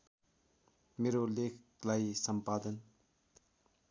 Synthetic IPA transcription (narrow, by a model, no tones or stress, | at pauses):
meɾolekʰlajsʌmpad̪ʌn